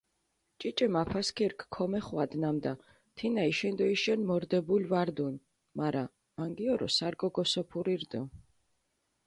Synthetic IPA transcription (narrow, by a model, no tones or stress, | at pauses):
t͡ʃʼit͡ʃʼɛmapʰaskʰiɾkʰkʰːɔmɛχwad̪namd̪a | t̪ʰinaiʃɛnd̪ɔiʃɛnmɔɾd̪ɛbulvaɾd̪un | maɾa | maŋɡiɔɾɔ̰saɾkʼɔɡɔsɔpʰuɾiɾd̪ɔ